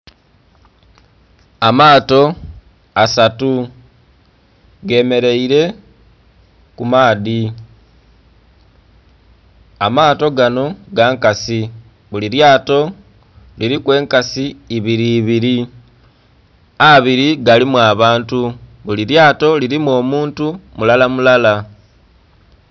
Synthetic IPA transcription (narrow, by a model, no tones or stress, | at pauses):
amaːto̞ | asatu | ɡe̞ːme̞ɾe̞iɾe̞ | kumaːði | amaːto̞ɡano̞ɡaːŋkasi | βuliɾjaːto̞ | liɾikwe̞ːŋkasiːβiɾiːβiɾi | aβiɾiɡalimwaːβaːntuβuliɾjaːto̞liɾimwo̞ːmuːntumulalamulala